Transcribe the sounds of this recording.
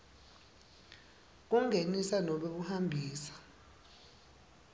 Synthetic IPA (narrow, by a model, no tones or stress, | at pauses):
k̬uŋʱenisanɔɓeɓuhambʱiːsḁ